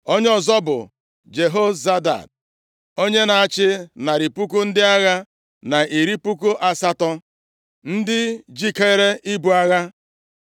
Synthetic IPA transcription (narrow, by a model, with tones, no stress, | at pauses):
o˦ɲ˦ɔ˨zɔ˦bʊ̰˨ | d͡ʒe˨ɦo˦za˦da̰˨d̚ | o˦ɲe˦na˨a˨t͡ʃɪ˦na˨ɾi˨pu˦ku˦n̩˦dɪ˦a˦ɣa˦ | na˨ʔi˨ɾi˦pu˦ku˦ʔa˨sa˦tɔ˦ | n̩˦dɪ˦d͡ʒi˦ke˦e˦ɾe˦ʔi˦bu˨a˦ɣa˦